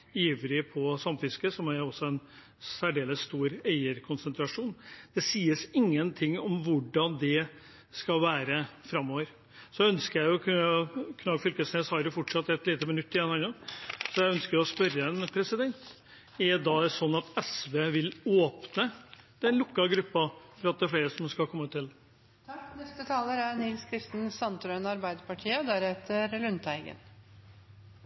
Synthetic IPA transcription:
jiːʋlɪpʰɔsɑmfɪskəsɔmæɾɔsːɔɛn | sæɖeːləsːt̪uːɾæɪəɾkʰʊnsənt̪ɾɑʂuːnd̪̥ɛsiːəsɪŋːənt̪ʰɪŋːɔmʋʊɖɑnd̪ɛ | skɑlʋæːɾəfɾɑmːoːʋəɾ | sɔœnskəɾjæɪʊkʰʉəkʰnɑɡfʏlkəsneːsɑːɾəfɔʈʂɑt̪ːɛt̪liːt̪əmənʉt̪ːɪɛnɑnɑsɔjæɪœnskəɾɔspœɾːəɛnpʰɾɛsɪd̪ɛnt̪ | ɛd̪ɑɛsɔnːɑt̪ɛsʋeːʋɪloːpnəd̪̥ɛnlʊkːɑɡɾʉpːɑfɔɾɑt̪̚d̪æɾfleːɾəsɔmskɑkʰɔmːət̪ʰɪl | ɛst̪ət̪ʰɑːləɾænɪlskʰɾɪst̪n̩sɑnt̪ɾœʏnɑɾbæɪd̪əpɑʈʰiːəɔd̪æɾheːt̪ʰəɾlʉnt̪æɪɡə̰n

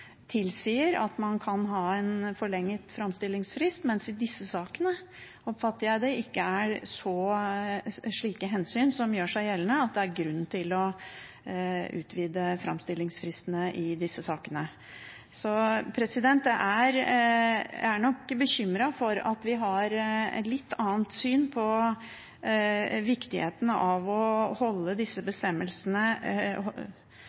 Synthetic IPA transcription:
t̪ʰɪlsiːəɾɑ̰t̪mɑnkʰɑnɦɑːɛnfɔɭɛŋːət̪fɾɑmst̪ɪlːɪŋsfɾɪst̪mɛnsɪd̪ɪsːəsɑːkənə | ɔpfɑt̪ːəɾjæɪd̪ɛɪkːəæɾʂɔ | ʂɭiːkəɦɛnsyːnsɔmjøːʂæɪjɛlːənəɑt̪̚d̪ɛæɾɡɾʉnːn̩t̪ʰɪlɔ | ʉ̰ːt̪ʰʋiːd̪əfɾɑ̰mst̪ɪlːɪŋsfɾɪst̪ənəʔɪd̪ɪsːəsɑːkənə | sɔpʰɾɛsɪd̪ɛnt̪ɛʔæɾ | æɳɔkbəçʏmɾɑfɔɾɑ̰t̪ʋɪɦɑɾlɪt̪ʰːɑːənt̪syːnpʰɔ | ʋɪkt̪ɪhḛːt̪ənəʔɑʋɔhɔlːəd̪ɪsːəbəst̪ɛmːəlsənə

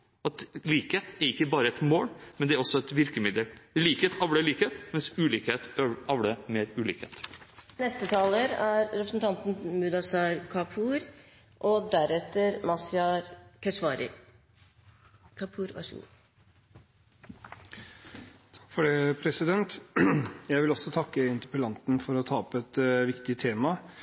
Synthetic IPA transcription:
ɑt̪liːkheːt̪ɛɾɪkːəbɑːɾəɛt̪moːlmɛnd̪ɛæɾɔsːɔɛt̪ʋɪɾkəmɪd̪əlliːkheːt̪ɑʋɽəɭiːkeːt̪mɛnsʉːliːkheːt̪ːʔɑʋɽəmeːɾʉːliːkhḛːt̪nɛst̪ət̪ʰɑːləɾæɾɾɛpɾəsn̩t̪ʰɑnt̪n̩mʉd̪ɑsɑɾkʰɑpʰuːɾ | ʔɔd̪æɾɛt̪əɾmɑsɪɑɾkʰœsʋɑːɾɪ̰ | kʰɑpʰuːɾɑ̰ʂṵː | t̪ʰɑ̥kːfɔɖeːpʰɾɛsɪd̪ɛnt̪ | jæɪʋɪlɔsɔt̪ʰɑkːəɪnt̪əpəlɑnt̪n̩fɔɾɔt̪ʰɑːɔpɛt̪ʋɪkt̪ɪt̪ʰeːmɑ

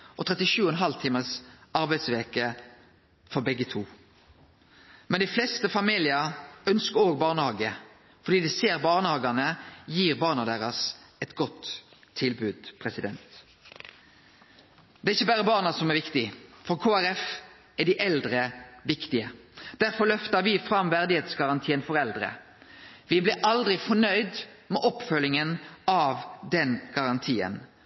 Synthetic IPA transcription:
ʔɔt̪ʰʁɛt̪ɪʃʉːɔɛnɦɑlt̪ʰiːməsɑɾbæɪd̪sʋeːkə | fɔɾbɛɡːət̪ʰuː | mɛnd̪ɪflɛst̪əfɑmiːlɪəœnskəɾoːɡbɑːʁnəhɑːɡə | fɔɖ̪iːd̪ɪseːɾbɑːʁnəhɑːɡɑnəjiːʁbɑːʁnɑd̪eːʁɑs | ɛt̪ɡɔt̪ʰː | ɪlbʉːd̪̥pʰʁɛsɪd̪ɛnt̪ | d̪̥ɛːɾɪçːəbæːɾəbɑːʁnɑsɔmɛæɾʋɪkt̪ɪfɔʁkʰoːæʁɛf | æɖɪʔɛld̪ɾəʋɪkt̪ɪəd̪̥æɾfɔlœft̪ɑɾʋɪfɾɑmʋæʁd̪ɪheːt̪sɡɑʁɑnt̪ʰiːənfɔʁɛld̪ɾə̰ | ʋɪblɪʔɑld̪ɾɪfɔɳœʏd̪ | mɛʔɔpfœlɪŋənɑʋd̪ɛnɡ̥ɑʁɑnt̪ʰiːə̰n

